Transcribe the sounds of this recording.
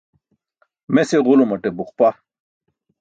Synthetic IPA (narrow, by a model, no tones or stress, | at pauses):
meseʁulomɐʈebuχpa